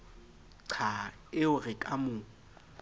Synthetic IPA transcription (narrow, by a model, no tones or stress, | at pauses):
ǀʰa | ɪʊrɪkʼamʊ